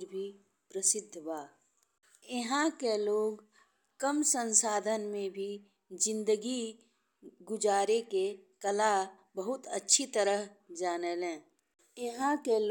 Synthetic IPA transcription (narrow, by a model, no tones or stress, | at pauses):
ɾbʱi | pɾəsɪd̪ʱːbaː | eɦãkeloːɡ | kəmsə̃nsaːd̪ʱənmẽbʱi | d͡ʒɪ̃nd̪əɡi | ɡʊd͡ʒaːɾekekəla | bəɦʊt̪ə̰tːʃʰit̪əɾəɦd͡ʒaːnelɛ̃ː | eɦãkel